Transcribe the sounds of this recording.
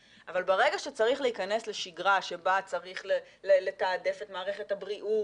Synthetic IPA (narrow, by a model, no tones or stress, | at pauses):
ʔavalbeʁe̞ɡaʃet͡saʁiχleikane̞sle̞ʃiɡʁaʃe̞bat͡saʁiχle | lele̞taːde̞fetmaːʁe̞χe̞thabʁiʔu